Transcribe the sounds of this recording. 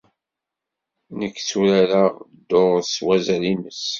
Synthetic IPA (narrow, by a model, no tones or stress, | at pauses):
nəkːt͡suɾæɾad̪ːoʁswæzælinəs